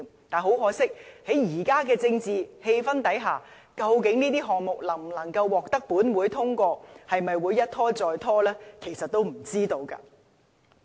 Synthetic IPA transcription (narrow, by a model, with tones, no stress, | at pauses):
ŋt̪aː˨nɦo˨˥wɦɔː˨˥sɪ˥k̚he˨˥jjiː˨˩kaː˥kɛː˧t͡sɪ˧ŋt͡siː˨he˧jfɐ˥nt̪ɐ˨˥jɦaː˨˩ | kɐ˧wkɪ˨˥ŋniː˥t̪̬iː˥ɦɔː˨k̚mʊ˨k̚lɐ˨˩ŋm̩˨˩nɐ˨˩ŋkɐ˧wːɔː˨k̚t̪ɐ˥k̚puː˨˥nwuː˨˧˥jt̪ʰʊ˥ŋkʷɔː˧hɐ˨jmɐ˨jwuː˨˧jːɐ˥t̚t̪ʰɔː˥t͡sɔː˨jt̪ʰɔː˥lɛː˥kʰe˨˩jsɐ˨t̚t̪ːo˥wm̩˨˩t͡siː˥t̪o˧wka̰ː˧